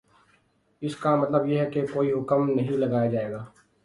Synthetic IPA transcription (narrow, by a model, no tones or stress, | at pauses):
ɪskamɐt̪ləbjeɦɛkekoːiɦʊkəmnɐɦĩlɐɡaːjad͡ʒaːeːɡaː